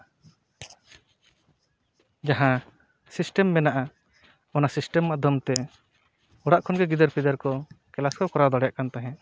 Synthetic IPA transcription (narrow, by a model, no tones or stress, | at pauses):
d͡ʒaɦã | sisʈɛmːɛnaʔa | ɔnasisʈɛmːad̪ʱjɔmt̪ɛ | ɔɽaʔkʰɔnɡɛɡid̪əɾpʰid̪əɾkɔkɛlaskɔwkɔɾad̪ɔɽɛjaʔkant̪aɦɛ̃ʔ